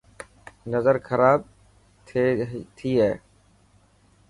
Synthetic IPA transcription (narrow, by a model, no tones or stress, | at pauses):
nəzəɾxʰəɾaːb̚ | tʰːt̪ʰiːɦɛː